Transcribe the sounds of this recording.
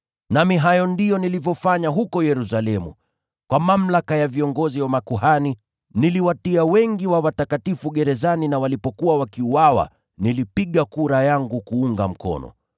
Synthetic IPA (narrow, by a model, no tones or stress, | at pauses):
namiɦajɔndijɔnilivjɔfaɲaɦukɔjɛɾusalɛmṵ | kwamam̩lakajaviɔŋɡɔziwamakuɦani | niliwatiawɛŋɡiwawatakatifuɠɛɾɛzaninawalipɔkuwawakiuwawa̰ | nilipiɠakuɾajaŋɡukuuŋɡam̩kɔ̰nɔ̰